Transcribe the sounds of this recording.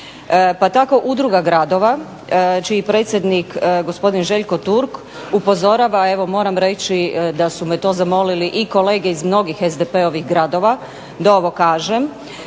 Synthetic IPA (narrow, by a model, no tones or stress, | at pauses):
pat̪ako̞ʔud̪ɾuɡaɡɾad̪o̞ʋa | t͡ʃiipɾe̞ːt̪sje̞d̪nikɡo̞spo̞d̪inʒe̞ʎko̞t̪uɾk | upo̞zo̞ɾaʋae̞ʋo̞mo̞ːɾamɾe̞t͡ʃid̪asumet̪o̞zamo̞liliʔiko̞le̞ːɡe̞izmno̞ɡixezd̪epe̞oʋixɡɾad̪o̞ʋa | d̪ao̞ʋo̞kaːʒem